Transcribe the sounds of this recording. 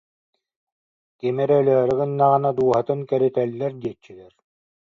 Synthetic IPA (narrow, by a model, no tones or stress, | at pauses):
kimɛɾːlɛɾɯɣɯnːaʁɯnad̪uːɔɦat̪ɯŋkɛɾit̪ɛlʲːɛɾd̪iɛt͡ɕːilɛɾ